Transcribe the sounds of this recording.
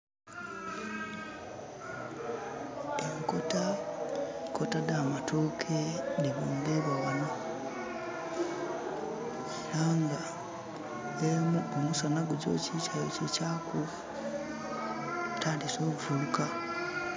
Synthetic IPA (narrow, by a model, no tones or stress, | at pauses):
eŋkota | kotadaːmatokʰeniβoːŋɡeβawano | laːŋɡa | emumusanaɡuɟo̰ːcit͡ʃajocecaku | tʰaːndiso̞ːkuvuuka